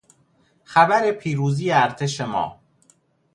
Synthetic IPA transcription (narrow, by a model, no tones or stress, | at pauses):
xæbæɾepʰiːɾuːziːjeæɾt̪ʰeʃemɒ̰ː